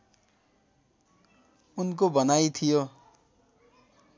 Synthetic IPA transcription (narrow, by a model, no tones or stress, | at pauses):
unkobʌnajt̪ʰijo